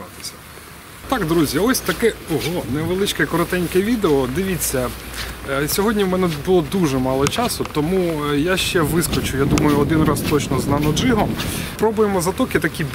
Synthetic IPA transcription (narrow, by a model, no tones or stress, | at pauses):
ɑt̪ɪ̥sʲɐ̥ | t̪ɑkd̪ɾuzʲiɔsʲt̪ɐkɛɔɦɔnɛʋelˠɪt͡ʃkɛkɔɾɔt̪ɛnʲkɛʋʲid̪eɔd̪ɪʋʲit͡sʲːɐ | sʲɔɦɔdʲnʲiwmɛnɛbʊlˠɔd̪uʒɛmɑlˠɔt͡ʃɑsʊt̪ɔmujaʃt͡ʃɛʋɪskɔt͡ʃʊjad̪umɐjʊɔd̪ɪnɾɑst̪ɔt͡ʃnɔznɐnɔd͡ʒɪɦɔmpɾɔbʊjemɔzɐt̪ɔkɪt̪ɐkʲi